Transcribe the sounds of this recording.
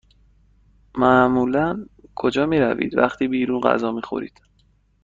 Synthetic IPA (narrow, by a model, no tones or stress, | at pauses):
mæmuːlænkʰo̞d͡ʒɒːmiːɾævḭːd̪væxt̪ʰiːbiːɾuːnɢæ̰zɒːmiːxo̞̰ɾḭːd̪̥